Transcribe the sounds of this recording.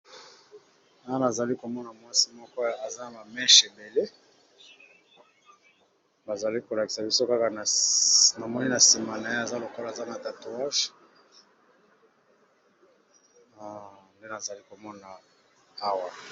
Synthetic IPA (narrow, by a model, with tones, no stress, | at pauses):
a˨˦a˦na˨za˨li˦ko˨mɔ˦na˨mwa˦si˦mɔ˦kɔ˦a˨za˦na˨ma˨mɛ˦ʃe˨be˨le˦ | ba˨za˨li˦ko˨la˨ki̥˨sa˨bi˦so˦ka˦ka˨n˨na˨mɔ˦ni˦na˨si˨ma˨na˨je˦a˨za˦lo˨ko˦la˨za˦na˨ta˨to˨a˦ʒ | nde˦na˨za˨li˦ko˨mɔ˦na˨ | a˦wa˨